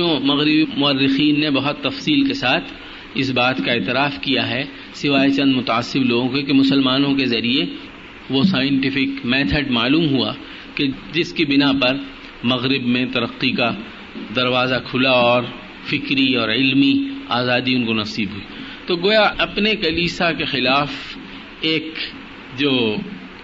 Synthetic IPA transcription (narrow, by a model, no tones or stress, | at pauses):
õmɐɣɾɪbimʊərːɪxiːnːebɐɦɔt̪ːɐfsiːlkesaːt̪ʰ | ɪsbaːt̪kaeːt̪ɪɾaːfkijaɦɛ | sɪʋaːet͡ʃɐ̃nd̪mʊt̪aːsːɪbloːɡõkekemʊsəlmaːnõk̬ezɐɾie | ʋosaːjɪ̃ɳʈɪfɪkmɛːt̪ʰəɖmaːluːmɦua̰ | ked͡ʒɪskibɪnapɐɾ | mɐɣɾɪbmẽt̪ɐɾəqːika | d̪ɐɾʋaːzakʰʊlaɔːɾ | fɪkɾiɔːɾɪlmiaːzaːd̪iʊnkonɐsiːbɦuiː | t̪oɡoːjaʔɐpnekɐliːsakexɪlaːf | eːk | d͡ʒoː